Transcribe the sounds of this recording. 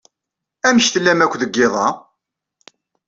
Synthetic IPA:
æməçt̪əlːæmækʷːðəɡːɪðˤɑ

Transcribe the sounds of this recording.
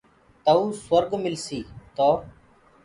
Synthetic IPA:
t̪əuːswəɾɡmɪlsiːt̪oː

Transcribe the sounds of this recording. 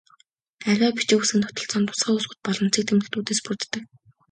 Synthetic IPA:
æɾʲæːpi̥t͡ɕĕːusɘ̆nt̪ʰɔt̪ɞ̆ɮt͡sɔːnt̪ʊ̥sχaːʊːsɡʊ̆t̪̚pɔɮɞ̆nt͡sʰik̚t̪ʰemɘ̆xt̪uːt̪eːspurt̪ːɘ̆k

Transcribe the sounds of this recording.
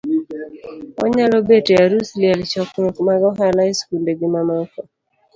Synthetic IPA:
ɔ̰ɲalɔbeteaɾusljalt͡ʃɔkɾokmaɡɔɦalaiskuldeɡɪmamakɔ

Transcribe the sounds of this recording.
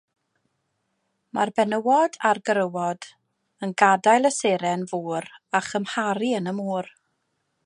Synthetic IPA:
marbɛnəwɔdarɡəɾəwɔd̥ | ənɡadajlˠəseɾɛnvuːɾaχəmhaɾiənəmuːr

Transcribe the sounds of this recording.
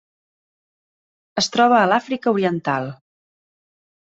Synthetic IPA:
əst̪ɾɔβ̞əːlafɾikəuɾiənt̪alˠ

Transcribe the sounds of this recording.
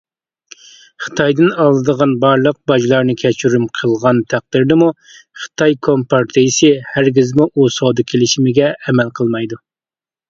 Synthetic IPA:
χə̥t̪ʰɑjd̪ɨnɑlˠːɨd̪əʁɑnbɑɾlˠəq̚bɑʒlˠɑɾnɨkʲʰɛt͡ʃʰyɾymqʰəlˠʁɑnt̪ʰæq̚d̪̥ɪɾd̪ɨmu | χə̥t̪ʰɑjkʰompɑɾt̪ʰɨjsɨhæɾɡʲizmuʔosod̪ɨkʲʰelɪʃimɪɡʲɛʔːmɛlqʰəlˠmɑjd̪u

